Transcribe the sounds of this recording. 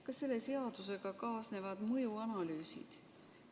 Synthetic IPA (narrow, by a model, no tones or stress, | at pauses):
kɑse̞lːe̞se̞ɑd̪̥use̞ɡ̥ɑkɑːsne̞vɑd̪̥mɤjuɑnɑlyːsḭd̪̥